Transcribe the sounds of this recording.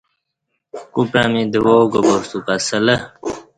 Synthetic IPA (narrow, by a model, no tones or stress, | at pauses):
kupɾamid̪woɡobost̪upasələ